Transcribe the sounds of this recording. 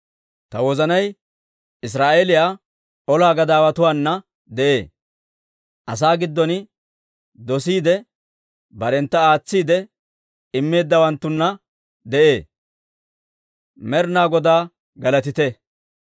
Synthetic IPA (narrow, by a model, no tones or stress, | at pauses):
t̪ɐwɔzɐnɐj | ʔɪs̬ɾaːʔelɪjaː | ʔɔlaːɡɐd̪aːwɐt̪ʊwaːnːɐ | d̪ɛʔe̞ː | ʔɐs̬aːɡɪd̪ːɔnɪ | d̪ɔsiːd̪ɛ | bɐɾɛnt̪ːɐaːt͡sːiːd̪ɛ | ɪmːe̞ːd̪ːɐwɐnt̪ːʊnːɐ | d̪ɛʔe̞ː | mɛɾnaːɡɔd̪aː | ɡɐlɐt̪ɪt̪ɛ